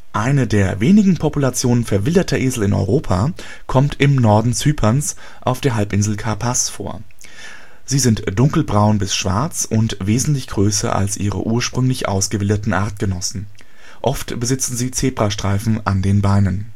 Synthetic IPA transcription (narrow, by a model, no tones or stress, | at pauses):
ʔaɪnədeːɐveːnɪɡŋ̩pʰɔpulat͡sjoːnənfɛɐvɪldɐtʰɐʔeːzl̩ɪnɔ̰ʏʁoːpʰa | kʰɔmtʰɪmnɔɐdn̩t͡syːpʰɐns | ʔaʊfd̥eːɐɦalpɪnzl̩kʰapʰasfo̰ːɐ | z̥iːzɪntd̥ʊŋkl̩bʁaʊnbɪsʃv̥a̰ɐt͡sʊntv̥eːzn̩tlɪçɡ̥ʁøːs̬ɐ̰ʔa̰lsʔḭːʁə̰ʔuːɐʃpʁ̥ʏŋlɪçʔa̰ʊsɡ̥əvɪldətn̩ʔaɐt̚ɡ̥ənɔsn̩ | ʔɔftb̥əzɪt͡sn̩ziːt͡seːbʁ̥aʃtʁ̥aɪfn̩ʔandeːnbaɪnən